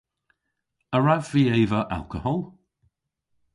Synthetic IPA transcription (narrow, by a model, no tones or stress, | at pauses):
əɹavv̥iːejvəʔa̰lˠkəhɔlˠ